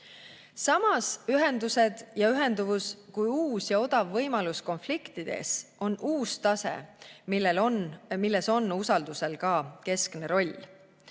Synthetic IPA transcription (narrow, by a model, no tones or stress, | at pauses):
sɑmɑsyɦe̞nd̪use̞d̪̥jɑyɦe̞nd̪uvuskujuːsjɑo̞d̪̥ɑvːɤ̞jmɑlusko̞nflikt̪id̪̥e̞̰sʔo̞nʔuːst̪ɑsḛmilːelonmilːe̞so̞nːusɑld̪̥use̞lkɑːke̞skne̞ɾo̞lʲ